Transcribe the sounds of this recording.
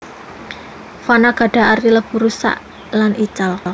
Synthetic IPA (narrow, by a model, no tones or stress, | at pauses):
fanaɡ̥a̤ɖ̥a̤ariləb̥ṳɾusa̰ʔ | lanʔit͡ʃal